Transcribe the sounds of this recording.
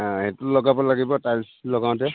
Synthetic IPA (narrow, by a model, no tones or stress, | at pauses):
ɦetʊlɔɡabɔlaɡibɔtajlslɔɡaʊ̃tɛ